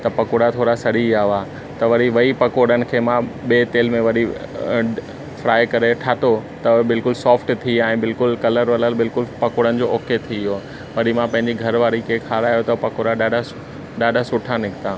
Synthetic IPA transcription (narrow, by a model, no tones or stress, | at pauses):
t̪ɐpɐkoɽat̪ʰoːɽasɐɗiaːɦʋaː | t̪ɐʋɐɾiʋɐipɐkoːɽənɪ̆kʰeːmãɓeːt̪eːlmẽʋɐɗi | fɾaːɪkɐɾeʈʰaːt̪ot̪ɐbɪlkʊlsɔːfʈt̪ʰiaːɛ̃ːbɪlkʊlkɐləɾʋɐləlbɪlkʊlpɐkoːɽənɪ̆d͡ʑoːʔɔːket̪ʰiiɦo | ʋɐɗimãpɐ̃ɦɪ̃ɲd͡ʑiɡʱɐɾʋaːɾikekʰaːɾaːjot̪ɐpɐkoɽaɗaːɖa | ɗaːɖʱasʊʈʰanɪkʰɪt̪aː